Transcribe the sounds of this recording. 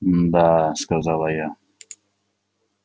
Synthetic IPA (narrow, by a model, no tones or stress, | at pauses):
d̪askazalaja